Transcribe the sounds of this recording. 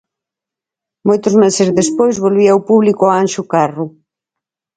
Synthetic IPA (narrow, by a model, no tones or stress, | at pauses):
mojt̪ʊzmesezðespojzβolβiawpuβlikoaanʃʊkarʊ